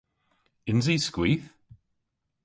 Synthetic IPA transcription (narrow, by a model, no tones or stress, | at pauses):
ɪnziskwiːθ